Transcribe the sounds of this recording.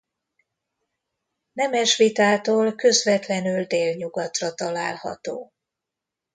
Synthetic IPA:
nɛmɛʃʋit̪aːt̪oːlkø̞zvɛt̪lɛnyld̪eːlɲuɡɒt̪rɒt̪ɒla̰ːlhɒ̰t̪oː

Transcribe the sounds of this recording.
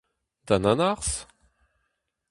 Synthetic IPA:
d̪̥ãnanaʁs

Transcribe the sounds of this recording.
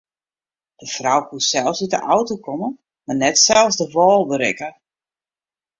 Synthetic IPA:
d̥əfrawkusɛlˠfsitə̰ʔawtokomə | marnɛtsɛlˠsdəʋɔːlˠbəɾɪ̰kə

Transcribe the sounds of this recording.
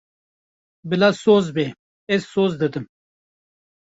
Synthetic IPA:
bilasoːzbe | esːoːzd̪əd̪əm

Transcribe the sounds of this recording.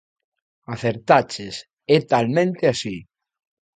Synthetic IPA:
aθeɾt̪at͡ʃes | ɛt̪almẽnt̪easi

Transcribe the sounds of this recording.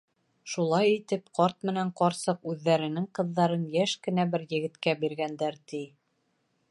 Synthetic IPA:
ʃulˠɑjit̪ɘpqɒɾt̪̚mɘ̆næɴqɒɾsɤqʉðːæɾɘ̆nɘŋqɤ̆ðːɑɾɤnjæʃkɘ̆næbɘɾjɘ̆ɡɘ̆t̪kæbiɾɡænd̪æɾt̪ij

